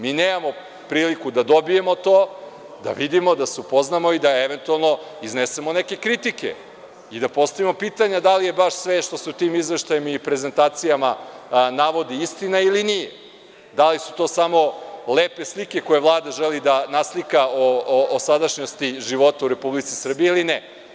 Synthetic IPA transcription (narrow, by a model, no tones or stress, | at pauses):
miːneːmamo̞ | pɾiːlikud̪ad̪o̞bije̞mo̞t̪oː | d̪a̰ʋid̪imo̞d̪aseupo̞znamo̞id̪aeʋe̞nt̪ualˠno̞ | iznese̞mo̞neke̞kɾit̪ike̞̰ | id̪apo̞st̪aʋimo̞piːt̪aɲad̪alije̞baʃsʋe̞ʃt̪o̞seut̪iːmizʋeʃt̪ajemipɾe̞ze̞nt̪aːt̪sijamanaʋo̞d̪iist̪inailinije | d̪alisu̥t̪o̞ːsamo̞leːpe̞slike̞ko̞je̞ʋlˠaːd̪aʒelid̪anaslikaoːsad̪aʃɲost̪iʒiʋo̞t̪auɾe̞publit̪sisr̩bijeilinɛ